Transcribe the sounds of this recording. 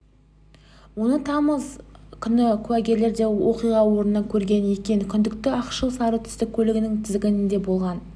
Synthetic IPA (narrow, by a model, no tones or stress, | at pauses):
wo̞nət̪ʰɑməzkʲʰʏnɪkʲʰʉæɡʲe̞ɾle̞ɾd̪e̞wʔo̞qijʁɑwo̞ɾənːɑkʲʰɵɾɡʲe̞nje̞kʲe̞nkʲʰʏnd̪ɪkt̪ɪɑqʃəlˠsɑɾət̪ʰʏ̥st̪ɪk̚ʲkʲʰːɵlɪɡʲɪnɪŋt̪ʰɪzɪɡʲɪnɪnd̪e̞bo̞lˠʁɑn